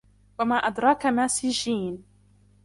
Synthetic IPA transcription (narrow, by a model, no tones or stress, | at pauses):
wamaːʔad̪ɾˤɑːkamaːsɪd͡ʒiːn